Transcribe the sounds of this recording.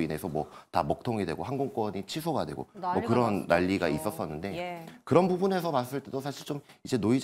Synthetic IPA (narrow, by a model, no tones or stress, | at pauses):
ine̞sʰʌmwʌtamʌk̚tʰoŋidwe̞ɡoɦanɡoŋk͈wʌɲit͡ɕʰisʰoɡadwe̞̰ɡo̰mʌkɯɾʌnːaʎːiɡais͈ʌs͈ʌnːɯnde̞kɯɾʌnpubune̞sʰʌmas͈ɯɭt͈edosʰaɕʰiɭt͡ɕ͈omid͡ʑe̞noid͡ʑ